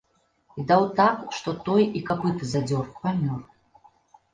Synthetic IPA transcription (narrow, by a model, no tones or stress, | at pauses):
id̪awt̪akʂt̪ɔt̪ɔjikapɨt̪ɨzad͡zʲɔrkvamʲɔr